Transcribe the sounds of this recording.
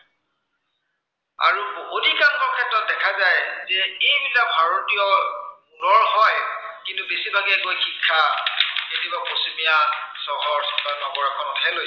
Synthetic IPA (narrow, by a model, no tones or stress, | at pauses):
a̰ɹuodʱikankɔɹkʰɛtɹɔt̚dɛkʰazajzɛejbilabʱaɹotiɔmulɔɹɦɔjkintʊbesibʱaɡɛkojxikʰːaketibaposimijasɔɦɔɹsɔkanɔɡɔɹakʰɔnɔtʰajloj